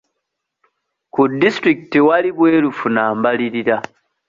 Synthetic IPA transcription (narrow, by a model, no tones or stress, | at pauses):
kudːistɾiki̥tiwaliβwe̞ːlufunaːmbaliɾiɾa